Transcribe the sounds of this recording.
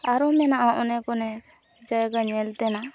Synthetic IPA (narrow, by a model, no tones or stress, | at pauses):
aɾɔmɛnaʔaʔɔnɛkɔnɛ | d͡ʒajɡaɲɛlt̪ɛna